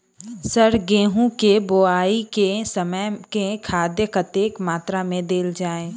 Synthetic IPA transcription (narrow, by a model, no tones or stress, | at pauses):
səɾɡẽːɦũkeboaːikesəməjkekʰaːd̪jəkət̪eːkmaːt̪ɾamẽd̪eːld͡ʒaːẽː